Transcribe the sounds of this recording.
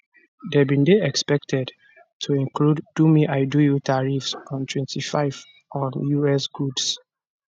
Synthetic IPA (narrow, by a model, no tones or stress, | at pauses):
dɛbĩndeɛkspɛk̚tʰɛd | tʰuĩnkʰludːumiʔaɪdujutʰaɹifsɔ̃ntʰwɛ̃ntʰifaɪv | ɔ̃njuɛsɡ̥uds